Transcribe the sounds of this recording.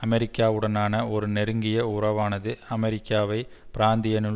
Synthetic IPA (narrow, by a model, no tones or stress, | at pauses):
ɐmɛɾɪkːaːʋɯɽɐnaːnɐɔɾɯnɛɾɯŋɡɪjɐʊɾɐʋaːnɐðɯɐmɛɾɪkːaːʋɐɪpɪɾaːnd̪ɪjɐnɯ